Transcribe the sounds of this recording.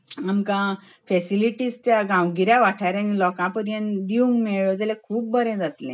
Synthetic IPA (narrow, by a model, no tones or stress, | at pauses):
amkã | fɛsiliʈiːst̪jaɡãwɡiɾjãʋaʈʰaɾãnilɔkãpəɾjãnd̪iũŋɡmɛɭod͡zalɛ̃kʰuːpːbəɾɛ̃d͡zat̪lɛ̰̃